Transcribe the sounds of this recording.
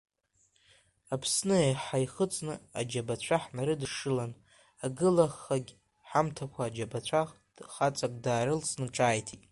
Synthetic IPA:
apʰsnɨeħajχət͡sʼnɨa̰d͡ʒabat͡ɕʷʰaħnaɾɨdɨʂɨlan | aɡɨlaχːaɡʲ | ħamtʰakʷʰaːd͡ʒabat͡ɕʷʰaχ | χat͡sʼakʷʼdaːɾɨlsʰʼnɨʈ͡ʂʼaːjtʰitʼ

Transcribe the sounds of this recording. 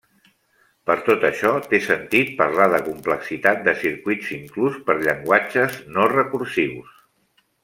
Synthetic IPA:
pəɾt̪ot̪əʃɔt̪esənt̪it̪̚pəɾlaðəkumpləksit̪at̪̚d̪əsiɾkwidziŋkluspəɾʎəŋɡwat͡ʃəznorəkuɾsiws

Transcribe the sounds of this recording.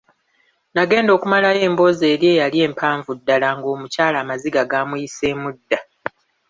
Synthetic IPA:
naɡe̞ːndo̞ːkumalaje̞ːmbo̞ze̞ːɾje̞ːjalje̞ːmpʰaːɱvudːalaŋɡo̞ːmucaːlaːmaziɡaɡaːmujise̞ːmudːa

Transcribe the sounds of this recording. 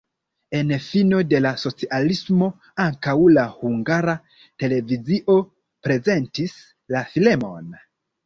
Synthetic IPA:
e̞nfino̞de̞laso̞t͡siʔalismo̞ | aŋkawlahuŋɡaɾa | te̞le̞viziʔo̞ | pɾe̞ze̞ntis | lafile̞mo̞̰n

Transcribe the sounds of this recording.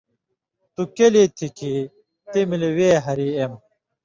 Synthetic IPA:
t̪ukelit̪ʰikʰi | t̪emileweːɦɐɾiem

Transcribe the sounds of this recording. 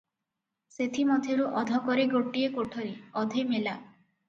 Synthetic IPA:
set̪ʰimɔd̪ʱeɾuʔɔd̪ʱɔkɔɾeɡoʈiekoʈʰɔɾiɔd̪ʱemela

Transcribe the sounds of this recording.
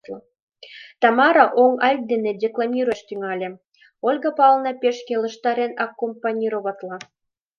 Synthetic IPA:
t̪ɑmɑɾɑʔoŋɑl̚ʲd̪ĕnĕdʲeklˠɑmʲiɾoʃt̪yŋɑlʲĕ | olʲɡɤ̆pɑlˠnɤpʲeʃkelɤ̆ʃt̪ɑɾenɑkːompɑnʲiɾoβɑt̪lˠɑ

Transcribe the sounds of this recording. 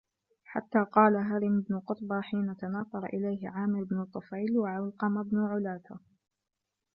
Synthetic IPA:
ħa̰t̪ːaːqɑːlaɦaɾɪmɪbnʊqʊt̪ˤbaːħiːnat̪anɑːt̪ˤɑɾˤʔɪ̰lajhɪʕaːmɪɾɪbnʊt̪ˤːʊfajlwaʕalqɑmabnʊʕʊlaːt̪a

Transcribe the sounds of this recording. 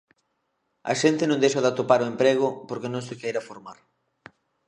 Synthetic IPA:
a̰ʃent̪ɪnõŋd̪ejʃaðɪat̪opaɾoempɾeɣ̞ʊpoɾkɪnõŋsɪkejɾafoɾmaɾ

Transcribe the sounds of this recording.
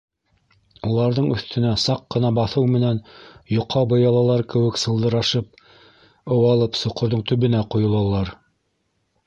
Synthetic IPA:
ulˠɑɾðɤɴɵ̰̆θt̪ɘ̆næsɑqːɤ̆nɑbɑθɤwmɘ̆nænjŏqʰːɑbɤ̆jɑlˠɑlˠɑɾkɘ̆wɘ̆ksɤ̆lˠd̪ɤ̆ɾɑʃɤp̚ | ɤ̆wɑlˠɤpsŏqŏɾðɤɴt̪ɵ̆βɘ̆næqŏjŏlˠɑlˠɑɾ

